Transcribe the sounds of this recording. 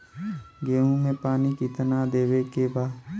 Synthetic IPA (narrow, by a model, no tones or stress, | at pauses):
ɡeːɦũmẽpaːnikit̪nad̪eːʋekebaː